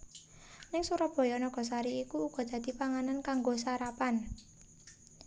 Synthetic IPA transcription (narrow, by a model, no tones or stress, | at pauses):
nɪŋsuɾɔb̥ɔ̤jɔnɔɡ̥ɔ̤saɾiikuːɡ̥ɔ̤d̪̥ä̤d̪̥i̤paŋanankaŋɡosaɾapan